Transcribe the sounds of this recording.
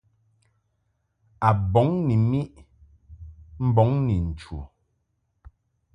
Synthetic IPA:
a˨bɔ˨˦ŋni˨mi˦ʔ | m̩˦bɔ˨˦ŋni˨n̩˨t͡ʃṵ˨

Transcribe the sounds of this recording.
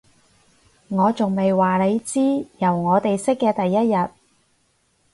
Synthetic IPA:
ŋɔː˨˧t͡sʊ˨ŋme˨jwaː˨˩le˨˧jt͡siː˥jɐ˨˩wŋɔː˨˧t̪e˨jsɪ˥kːɛː˧t̪ɐ˨jːɐ˥t̚jɐ˨t̚

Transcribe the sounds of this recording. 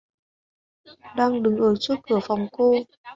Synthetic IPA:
ɗaː˧ŋɗɨ˨˩˦ŋʔəː˨˩t͡ɕu˦˥t̚kɨ˧˩əfa˨˩wŋ͡mko˧

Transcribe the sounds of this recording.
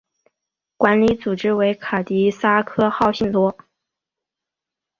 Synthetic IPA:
kwa˧˥nli˧˥t͡su˨˩ʈ͡ʂɻ̩˥we˧˥ɪkʰa˨˩t̪i˧˥sa˥kʰɤ˥xɑ˥˧ʊɕi˥˩nt̪wɔ˥

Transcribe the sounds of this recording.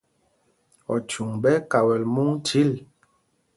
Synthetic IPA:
ɔ̰˨t͡ʃu˨ŋbɛ˦ka˨wɛ˨lmu˦ŋti˦l

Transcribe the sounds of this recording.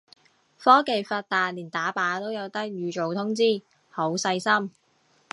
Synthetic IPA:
fɔː˥ke˨˧jfaː˧t̚t̪aː˨˧nliː˨˩nt̪aː˨˥paː˨˥t̪o˥wjɐ˨˧wt̪ɐ˥k̚jyː˨˧t͡ʃo˨wt̪ʰʊ˥ŋt͡siː˥ | ho˨˥wsɐ˧jsɐ˥m

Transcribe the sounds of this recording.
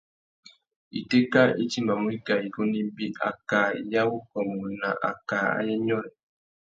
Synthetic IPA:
ḭ˨te˦ka˦i˦t͡ʃi˦mba˨mu˦i˦ka˨i˨ko˦ni˦bi˦ʔa̰˨ka˨ja˦wu˦kɔ˨mu˨na˨ʔa̰˨ka˨a̰˦jɛ˦ɲɔ˦˨n˨

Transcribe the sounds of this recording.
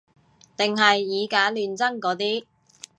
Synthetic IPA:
t̪ɪ˨ŋɦɐ˨jːiː˨˧kaː˨˥lyː˨nt͡sɐ˥ŋkɔː˨˥t̪iː˥

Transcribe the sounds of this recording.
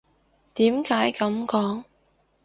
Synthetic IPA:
t̪iː˨˥mkaː˨˥jkɐ˨˧mkɔː˨˥ŋ

